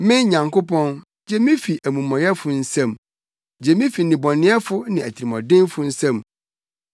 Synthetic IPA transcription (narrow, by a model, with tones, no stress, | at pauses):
mɪ̃˦ɲã˨ŋko˦pʰɔ̃˦n | d͡ʑɛ˦mɪ̃˦fi˨ʔæ˨mũ˨mɔ̃˨jɛ˦fʊ˨n̩˦sæ̃˦˨m | d͡ʑɛ˨mĩ˦fi˨nɪ̃˨bɔ̃˨nɪ̃˦ɛ˦fʊ˦nɪ̃˨æ˨tʰi˨ɾi˨mɔ̃˨dɪ̃˦nfʊ˦n̩˦sã˦m